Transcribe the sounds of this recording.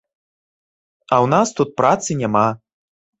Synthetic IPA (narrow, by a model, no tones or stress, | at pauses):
ɐwnast̪ut̪̚pɾat̪sɨnʲama